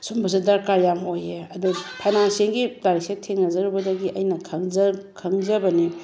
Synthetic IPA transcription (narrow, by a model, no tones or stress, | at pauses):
sumbɐs̬idɐɾkaɾjamojeɐdupʰajnanseŋɡilaɾiksetʰeŋnɐzɐɾubɐdɐɡiʔɐjnɐkʰɐŋzɐkʰɐŋzɐbɐni